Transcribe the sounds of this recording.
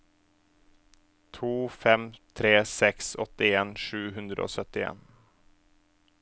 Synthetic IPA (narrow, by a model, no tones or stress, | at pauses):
t̪ʰuːfɛmt̪ʰɾeːsɛksɔt̪ːɪeːnʂʉːɦɵnd̪ɾə̰o̰ːsœt̪ːɪḛːn